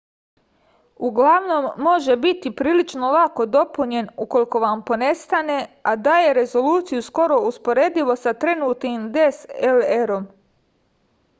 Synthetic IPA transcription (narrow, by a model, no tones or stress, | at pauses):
uɡlaʋno̞mːo̞ʒe̞bit̪ipɾiːlit͡ʃno̞lako̞d̪o̞puɲe̞nuko̞liko̞ʋampo̞ne̞st̪ane̞ad̪aːje̞ɾe̞zo̞luːt̪sijusko̞ɾo̞uspo̞ɾe̞ːd̪iʋo̞sat̪ɾe̞nuːt̪nimd̪e̞seleɾo̞m